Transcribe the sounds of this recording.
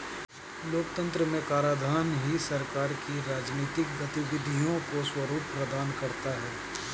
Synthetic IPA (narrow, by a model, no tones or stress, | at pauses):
loːk̚t̪ə̃nt̪ɾəmẽkaːɾaːd̪ʱaːnɦisɐɾkaːɾkiɾaːd͡ʒniːt̪ɪk̚ɡɐt̪ɪbɪd̪ʱijõkoswɐɾuːpːɾɐd̪aːnkɐɾt̪aɦɛː